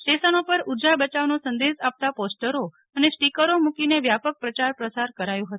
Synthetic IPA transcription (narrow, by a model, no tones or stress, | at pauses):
ʈesənopəɾud͡ʒabət͡ʃaʋnosənd̪esap̚t̪aposʈəɾo | ənesʈikəɾomukineʋjapək̚pɾət͡ʃaɾpɾəsaɾkəɾajũɦət̪ũ